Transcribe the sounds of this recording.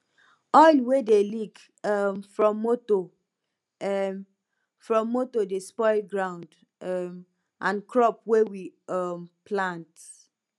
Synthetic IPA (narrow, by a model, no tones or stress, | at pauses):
ɔjlwedelik | mfɹɔ̃mːoto | fɹɔ̃mːotodespɔɪlɡɹãʊ̃nd | m | ʔãnkɹɔp̚wewimplãnt